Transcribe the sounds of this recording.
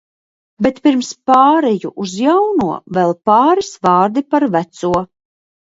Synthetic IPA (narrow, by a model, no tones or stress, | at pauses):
bɛt̪piɾmspaːɾɛjṵʔuzjawnuɔvɛlˠpaːɾisvɑːɾd̪ipaɾvæt̪suɔ